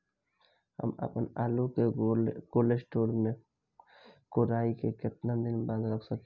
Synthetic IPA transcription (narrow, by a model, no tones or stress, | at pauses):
hə̰mə̰pənaːlukekoːlesʈoːɾmẽ | koːɾaːikekɪt̪nãd̪ɪnbə̃nd̪ɾəkʰsəke